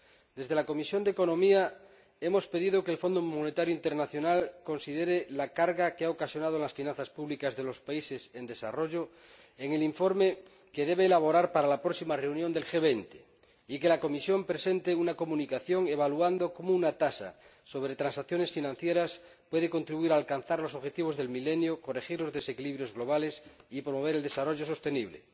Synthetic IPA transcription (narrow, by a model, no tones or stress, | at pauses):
d̪e̞zð̞e̞lako̞misjo̞nd̪eko̞nõ̞mia | e̞mo̞spe̞ðiðokeːlfo̞nd̪omonet̪aɾjoint̪eɾnaθjo̞nalko̞nsiðeɾelakaɾɣakeaokasjo̞nað̞onlasfinãnθaspuβlikazðe̞lo̞spaise̞se̞nd̪e̞sa̰ro̞ʝo | eŋe̞liɱfo̞ɾme | ke̞ð̞e̞βeːlaβ̞o̞ɾaɾpaɾalapɾoksimare̞unjond̪e̞lxeβ̞ejnt̪e | ike̞lako̞misjo̞mpɾese̞nt̪eunako̞mũnikaθjo̞ŋeβaluand̪o̞ko̞mounat̪asa̰so̞βɾe̞t̪ɾansaθjo̞nesfinãn̟θje̞ɾas | pwe̞ð̞ekont̪ɾiβuiɾaːlkan̟θaɾlosoβxe̞t̪iβ̞o̞zðe̞lmilenjoko̞rexiɾlo̞zðe̞se̞kiliβɾjozɣlo̞β̞ale̞sipɾomo̞β̞e̞ɾeld̪e̞saro̞ʝo̞so̞st̪eniβlḛ